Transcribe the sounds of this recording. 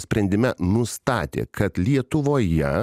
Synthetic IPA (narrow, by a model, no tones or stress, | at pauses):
sʲpʲɾʲɛnʲd̪ʲɪmʲɛnʊst̪ɑːt̪ʲḛːkʰɐt̪lʲiɛt̪ʊʋoːjɛ